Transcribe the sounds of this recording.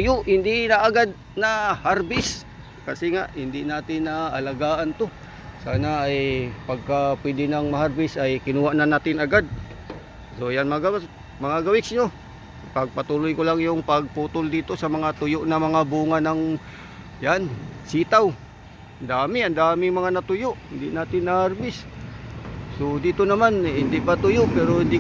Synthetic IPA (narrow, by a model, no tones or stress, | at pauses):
jʊʔhɪnd̪ɪnaʔaɡad̪̚ | nahaɾbɪs | kasɪŋaʔhɪnd̪ɪnaːt̪ɪnːaːlaɡaːʔant̪o | saːnaːjpaɡ̚kapwɛd̪ɪnaŋmɐɦaɾbɪsʔajkɪnuːhaʔnanaːt̪ɪnaɡad̪̚ | sojanmaɡa | mɐŋaɡawɪksɲo | paɡ̚pat̪ulʊjkolaŋjʊŋpaɡ̚puːt̪ʊld̪iːt̪osamaŋat̪ʊjʊʔnamɐŋabuŋanaŋ | jansiːt̪aw | and̪aːmɪand̪aːmɪŋmɐŋanat̪ʊjʊʔhɪnd̪ɪʔnaːt̪ɪnːaharbɪs | sod̪iːt̪onamanɪnd̪ɪʔpat̪ujoʔpɛɾohɪnd̪ɪ